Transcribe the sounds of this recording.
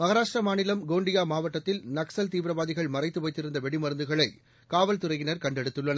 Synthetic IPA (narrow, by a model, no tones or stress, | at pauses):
mɐɣɐɾaːʂʈrɐmaːnɪlɐmɡoːɳɖɪjaːmaːʋɐʈːɐt̪ːɪlnɐksɐlt̪iːʋɾɐʋaːðɪɣɐɭmɐrɐɪt̪ːɯpɐːɪt̪ːɪɾɯnd̪ɐʋɛɽɪmɐɾɯnd̪ɯɣɐɭɐɪ | kaːʋɐlt̪ʊrɐɪɣɪnɐɾkɐɳɖɛɽɯt̪ːɯɭːɐnɐ